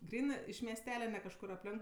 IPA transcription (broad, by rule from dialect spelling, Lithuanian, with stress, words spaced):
ˈɡrʲiːnɜ ɪʃ mʲiɛsʲˈtʲæːlʲɛ nʲɛ kɐʃˈkʊr ɐpʲˈlʲɛŋk